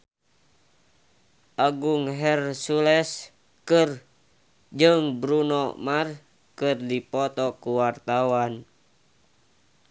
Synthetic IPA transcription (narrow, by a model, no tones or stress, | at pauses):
ʔaɡuŋɦɛrsulɛs | kɨr | d͡ʒɨŋbɾunɔmar | kɨrdipɔt̪ɔkuwart̪awan